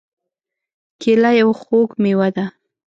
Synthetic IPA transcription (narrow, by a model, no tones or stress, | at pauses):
kʰelajawxokmewad̪a